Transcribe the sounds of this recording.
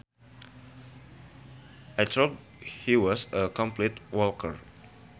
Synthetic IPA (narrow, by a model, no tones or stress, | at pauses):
ajt̪ʰod | hiwɔsəkɔ̃mplitwɔlkʰəɹ